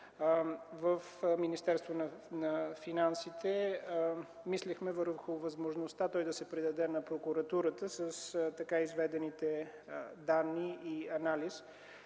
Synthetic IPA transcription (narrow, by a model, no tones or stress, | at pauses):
vəfminist̪ɛɾst̪vonɐnɐfinansit̪ʰɛ | mislɛxmɛvəɾxʊvɐzmoʒnost̪at̪ɔjd̪ɐsɛpɾid̪ɐd̪ɛnɐpɾokuɾɐt̪uɾət̪əsəst̪ɐkaizvɛd̪ɛnit̪ɛ | d̪anːiiɐnalis